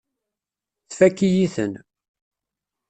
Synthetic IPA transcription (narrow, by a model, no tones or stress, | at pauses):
θfækːijiθə̰n